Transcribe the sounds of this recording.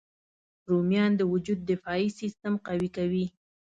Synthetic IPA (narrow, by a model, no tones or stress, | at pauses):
ɾumjɑnd̪əwʊd͡ʒud̪̚ːɪfɑisist̪əmqawikawi